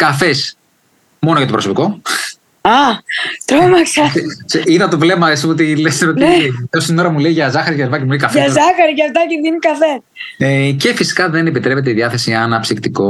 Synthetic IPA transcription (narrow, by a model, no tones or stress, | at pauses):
kɐfes | mo̞noʝɐt̪opɾo̞so̞piko̞ | ɐt̪ɾomɐksɐsiðɐt̪ovlemɐesiot̪̬ileseot̪iosino̞ɾɐmulejʝɐzɐxɐɾiʝɐɾvɐcemueikɐfɐzɐxɐɾiʝɐft̪ɐceʝinikɐfesece̞fisi̥kɐðe̞nepit̪ɾepe̞t̪̬eiðiɐθe̞siɐnɐpsikt̪iko̞